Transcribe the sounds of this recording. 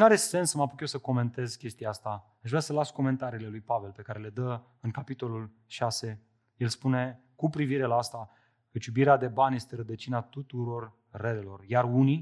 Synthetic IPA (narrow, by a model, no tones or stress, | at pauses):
naɾe̞se̞nsəmapukjewsəko̞me̞nt̪e̞zkʲe̞st̪ijaast̪a | aʒvɾasəlasko̞me̞nt̪aɾiːle̞lujpave̞lpe̞kaɾe̞le̞d̪ə | ɨŋkapit̪o̞lul | ʃase̞ | je̞lspune̞ | kupɾiviɾe̞laast̪a | kət͡ʃjubiɾead̪e̞banje̞st̪e̞ɾəd̪ət͡ʃinat̪ut̪uɾo̞rː | elelo̞rjaruni